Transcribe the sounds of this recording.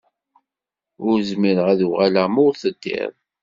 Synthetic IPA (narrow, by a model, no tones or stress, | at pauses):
ʊɾzmiɾəʁæðuʁælæmʊɾθəd̪ːḭðˤ